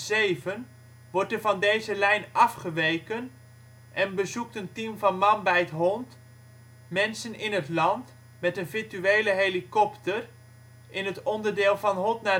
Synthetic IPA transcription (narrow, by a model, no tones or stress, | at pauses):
zejvən | ʋɔɹtəvɑndejzəlɛjnɑfχəʋejkən | ʔɛnbəzuk̚təntimvɑnmɑnbɛjətɦɔnt | mɛnsənɪnətlɑnt | mɛtənvɪɹtyejləɦelikɔptər | ʔɪnɦətɔndəɹdɪːlˠvɑnɦɔtna